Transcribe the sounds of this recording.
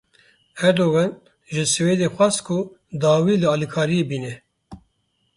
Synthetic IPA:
hɛɾd̪owɑːn | ʒɨsɨweːd̪eːxʷɑːskʰʊ | d̪ɑːwiːlɨɑːlikʰɑːɾijebiːnɛ

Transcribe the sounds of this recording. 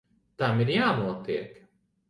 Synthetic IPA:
t̪amiɾjaːnuɔt̪iɛk

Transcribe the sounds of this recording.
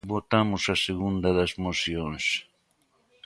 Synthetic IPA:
βot̪amʊsɐseɣũnd̪ɐðɐzmosjõŋs

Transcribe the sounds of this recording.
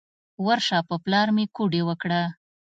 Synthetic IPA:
waɾʃɑpəplɑɾmekuɖewəkɽa

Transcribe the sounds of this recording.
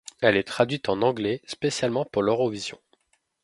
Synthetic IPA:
ɛlɛt̪χad̪ɥit̪ɑ̃nɑ̃ɡlɛspesjalmɑ̃puʁløʁɔvizjɔ̰̃

